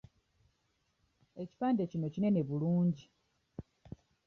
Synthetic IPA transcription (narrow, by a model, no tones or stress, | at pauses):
e̞ci̥paːndecino̞cine̞ne̞βuluːɲɟi